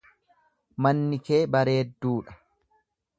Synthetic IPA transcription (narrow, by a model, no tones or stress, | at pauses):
mɐnːɪke̞ːbɐɾe̞ːd̪ːuːᶑɐ̥